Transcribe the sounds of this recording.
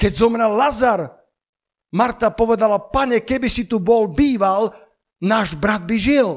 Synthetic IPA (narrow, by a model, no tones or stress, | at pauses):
kɛɟzɔmɾallazaɾ | maɾt̪apɔʋɛd̪alapaɲɛkɛbisit̪ubɔlbiːʋal | naːʒbɾad̪̚biʒil